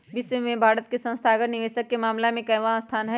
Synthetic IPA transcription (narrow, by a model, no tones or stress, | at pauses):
bɪswemẽbʱaːɾət̪̚kesə̃nst̪ʰaːɡəɾnɪʋeːʃəkːemaːmlamẽkɐʋast̪ʰaːnɦɛ